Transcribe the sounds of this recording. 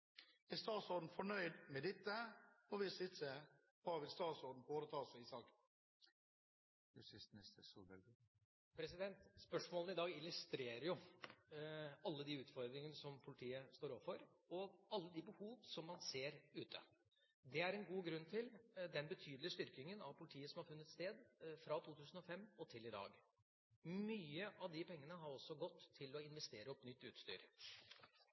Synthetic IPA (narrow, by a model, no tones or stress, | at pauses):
æst̪ɑːt̪sɔɾɖ̪n̩fɔɳœʏd̪mɛd̪ɛt̪ːəɔʋɪsɪt̪sə | hɑʋɪlst̪ɑːt̪sɔɖ̪n̩foːɾət̪ʰɑːsəɪsɑːk̪ | jsɪsɪst̪əsuɛ | pʰɾɛsɪd̪ɛnt̪spœʂmoːlnɪd̪ɑːɡɪlʉst̪ɾeːɾəɾjʊ | ɑlːəd̪iʉːt̪fɔɾd̪ɾɪŋənəsɔmpʰʊlɪt̪ʰiːəst̪oːɾɔʋfɔɾɔɑlːəd̪ɪbəhuːʋsɔmːɑnseːɾʉːt̪ʰə̰ | d̪ɛæɾɛnɡuːɡɾʉnːt̪ʰɪld̪ɛnbət̪ʰyːd̪lɪəst̪ʏɾkɪŋənɑʋpʰʊlɪt̪ʰiːəsɔmhɑɾfʉnːət̪st̪eːd̪fɾɑt̪ʰuːt̪ʰʉːsən̩ɔfɛmːɔt̪ʰɪlɪd̪ɑ̰ːɡ | myːəʔɑʋd̪ɪpʰɛŋːənəɦɑɾɔsːɔɡɔt̪ʰːɪlɔɪnʋɛst̪eːɾəɔpnʏt̪ːʉ̰ːt̪st̪y̰ːɾ